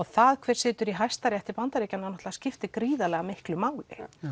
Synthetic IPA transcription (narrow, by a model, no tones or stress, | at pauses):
ɣθaðkʰvɛɾ̥sɪːt̪ʏɾiɦajst̪aɾjajht̪ɪpant̪aɾiːcananɔht̪lascɪft̪ɪkɾiːðalɛɣamɪhklʏmaːwlɪ̰